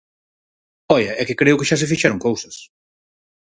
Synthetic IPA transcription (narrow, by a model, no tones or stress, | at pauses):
ɔjɐɛkɪkɾeʊkɪʃas̬ɪfiʃɛɾoŋkowsɐs